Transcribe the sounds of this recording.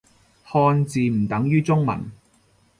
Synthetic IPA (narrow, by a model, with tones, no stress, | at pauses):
hɔː˧nt͡siː˨˧m̩˨˩t̪ɐ˨˥ŋjyː˥t͡sʊ˥ŋmɐ̰˨˩n